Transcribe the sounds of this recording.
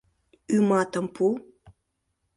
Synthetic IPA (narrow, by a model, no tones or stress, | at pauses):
ymɑt̪əmpʰu